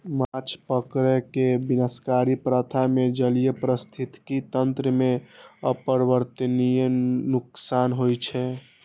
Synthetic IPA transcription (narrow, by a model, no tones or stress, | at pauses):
mat͡ʃʰpəkɾɛkebinəskaɾipɾət̪ʰamed͡ʒəlijepɾəst̪ʰit̪kit̪ənt̪ɾəmeəpəɾbəɾt̪ənijnuksanɦojt͡ʃʰɛ